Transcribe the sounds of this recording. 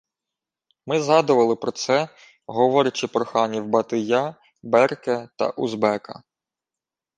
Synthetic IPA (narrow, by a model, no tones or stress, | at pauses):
mɪzɦɑd̪ʊʋɐlˠɪpɾɔt̪sɛ | ɦɔʋɔɾʲɐt͡ʃɪpɾɔxɑnʲiwbɐt̪ɪjɑ | bɛrkɛt̪ɐ̰ʔuzbɛkɐ